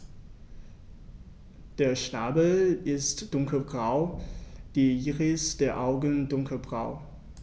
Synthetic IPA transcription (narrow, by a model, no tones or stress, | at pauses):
d̥eːɐʃnaːbl̩ɪstd̥ʊŋklbʁaʊd̥iːʔiːʁəsd̥eːɐʔaʊɡəndʊŋkʰəbʁa̰ʊ